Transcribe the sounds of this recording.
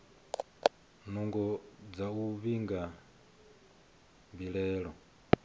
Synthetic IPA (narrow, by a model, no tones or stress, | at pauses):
nuŋɡɔd͡zauβiŋɡa | mbilɛːɺɔ